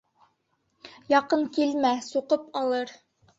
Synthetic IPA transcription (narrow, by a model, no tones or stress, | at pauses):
jɑqɤŋkilmæsuqɤpɑlˠɤɾ